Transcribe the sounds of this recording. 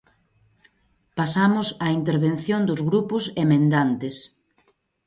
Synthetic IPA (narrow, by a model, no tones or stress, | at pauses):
pasamʊsaint̪eɾβenθjõnd̪ʊzɣɾupʊsemẽnd̪ant̪ɪs